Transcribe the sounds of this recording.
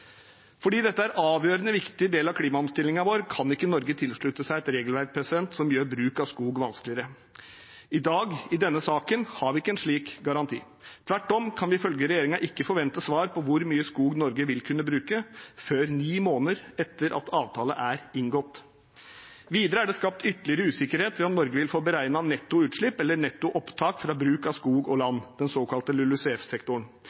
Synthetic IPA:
fɔɖiːd̪ɛt̪ːəæɾʔɑːʋjøːɾənəʋɪkt̪ɪd̪eːlɑʋkʰliːmɑɔmst̪ɪlːɪŋɑʋoːɾkʰɑnɪkːənɔɾɡət̪ʰɪlʂɭʉt̪əsæɪɛt̪ɾeːɡəlʋæɾk̚pʰɾɛsɪd̪ɛnt̪sɔmjøːɾbɾʉːkɑʋskuːɡʋɑnsklɪəɾə | ɪd̪ɑːɡɪd̪ɛnːəsɑːkənhɑɾʋɪɪkːəɛnʂɭiːkɡɑɾɑnt̪ʰḭː | t̪ʰʋæʈːɔmkʰɑnʋɪɪfœlɡəɾɛjeːɾɪŋɑʔɪkːəfɔɾʋɛnt̪əsʋɑːɾpʰɔʋʊɾmyːəskuːɡnɔɾɡəʋɪlkʰʉnːəbɾʉːkəføːɾniːmoːnəɾɛt̪ːəɾʔɑ̰t̪ʰɑːʋt̪ʰɑːlə̰ʔæɾɪŋɡɔt̪ː | ʋiːd̪əɾəæɖɛskɑp̚t̪ʏt̪ːəlɪəɾəʉːsɪkːəɾheːt̪ʋɪɔnnɔɾɡəʋɪlfoːbəɾæɪnɑnɛt̪ːʊʉːt̪ʂɭɪpːɛlːənɛt̪ːʊʔɔpt̪ʰɑːkfɾɑːbɾʉːkɑʋskuːɡɔlɑnːd̪̥ɛnsoːkʰɑlt̪əlʉlʉsɛːfsɛkt̪ʊɳ

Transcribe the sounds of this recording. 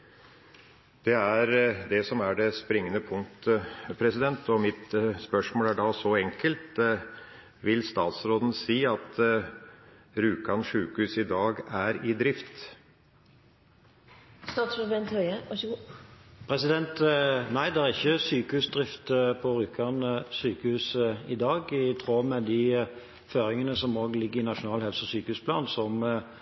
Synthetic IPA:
d̪̥ɛæɾd̪ɛsɔmæɖɛspɾɪŋːənəpʰʊŋt̪pʰɾɛsɪd̪ɛnt̪ɔmɪt̪spœʂmoːlæɖɑːsɔɛŋkəlt̪ | ʋɪlst̪ɑːt̪sɾoːd̪n̩siːɑt̪ | ɾʉːkɑnʂʉːkʉsɪd̪ɑːɡæɾɪd̪ɾɪft̪ | st̪ɑːt̪sɾəbɛnt̪hœʏəʋɑɡ | pʰɾɛsɪd̪ɛnt̪næɪd̪ɛæʁɪçːəsyːkəʉːsd̪ʁɪft̪pʰɔɾʉːkʰɑnəsyːkəhʉːsəɪd̪ɑːɡɪt̪ʰɾoːmɛd̪i | føːɾɪŋənəsɔmoːɡlɪɡːəɪnɑʃʊnɑːlhɛlsəsyːkəʉːspʰlɑ̰ːnsɔm

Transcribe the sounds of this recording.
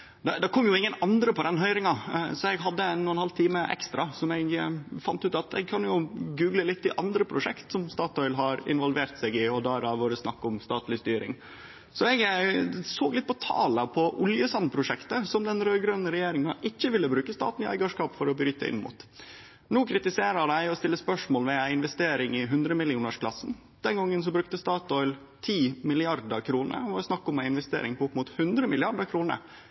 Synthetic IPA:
d̪ɛd̪ɑkʰɔmːjʊɪŋːənɑnd̪ɾəpɔd̪ɛnɦœʏɾɪŋɑsɔɛɡɦɑd̪ːəɛnnːuːənhɑlt̪ʰiːməʔɛ̰kst̪ɾɑsɔmɛɡfɑnt̪ʉːt̪ɑt̪ʰɛ̰ɡ̚kʰɑnjʊɡʉːɡləlɪt̪ʰːɪʔɑnd̪ɾəpʰɾʊʂɛkt̪sɔmst̪ɑːt̪ʰɔʏlɦɑɾɪ̰nʋɔlʋeːɾt̪sɛɡɪɔd̪ɑɾɑʋoːɾəsnɑkːʊmst̪ɑːt̪lɪst̪yːɾɪ̰ŋ | sɔɛɡsoːɡlɪt̪pɔt̪ʰɑ̰ːləpʰɔʔʊljəsɑnpʰɾʊʂɛkt̪əsɔmd̪ɛnɾœʏɡɾønəɾɛjeːɾɪŋɑʔɪçːəʋɪlːəbɾʉːkəst̪ɑ̰ːt̪n̩ɪæ̰ɪɡɑʂkɑːpfɔɾɔbɾyːt̪ə̰ʔɪ̰nmʊ̰t̪ | nuːkʰɾɪt̪ɪseːɾəɖ̪æɪɔst̪ɪlːəspœʂmoːlʋɛæɪɪnʋɛst̪eːɾɪŋɪɦʉnd̪ɾəmɪlɪuːnəʂkʰlɑsːn̩ | d̪̥ɛnɡɑŋːəns̬ɔbɾʉk̚t̪əst̪ɑːt̪ɔʏl | t̪ʰiːmɪlɪɑɾd̪əkʰɾuːnə̰ɾʋoːɾəsnɑkːɔmæɪnʋɛst̪ḛːɾɪŋpʰɔʊpmʊt̪hʉnd̪ɾəmɪlɪɑɖəɾkʰɾuːnə̰

